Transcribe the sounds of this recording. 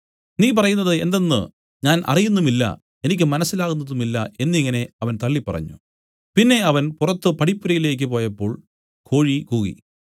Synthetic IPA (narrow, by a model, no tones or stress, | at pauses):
niːp̬ɐrɐjunːɐðɨe̞̰nd̪e̞nːɨ̰ | ɲaːnʔɐ̰rijunːumilːɐ̰ | e̞nik̬ʲːɨmɐnɐsːilaːɣunːɐðumilːɐe̞nːiŋːɐne̞ɐʋɐnt̪ɐɭːipːɐrɐ̰ɲːṵ | pinːe̞ɐʋɐnpurɐt̪ːɨpɐɽipːuɾɐjile̞ːk̬ʲːɨpo̞ːjɐpːo̞ːɭ | kʰo̞ːɻikuːɣḭ